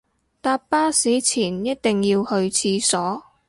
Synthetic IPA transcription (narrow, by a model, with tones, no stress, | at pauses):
t̪aː˧p̚paː˥siː˨˥t͡sʰiː˨˩njɐ˥t̚t̪ɪ˨ŋjiː˧whɵ˧ɥt͡sʰiː˧sɔː˨˥